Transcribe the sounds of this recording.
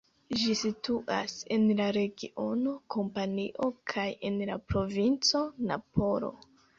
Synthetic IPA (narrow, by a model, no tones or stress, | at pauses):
d͡ʒisituʔa̰se̞nlaɾe̞ɡiʔo̞no̞kʰo̞mpaniʔo̞kʰajenlapɾo̞vint͡so̞na̰po̞ɾo̞̰